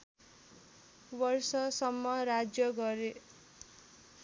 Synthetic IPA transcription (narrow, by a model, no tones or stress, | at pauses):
bʌrsʌsʌmːʌɾad͡zjʌɡʌɾe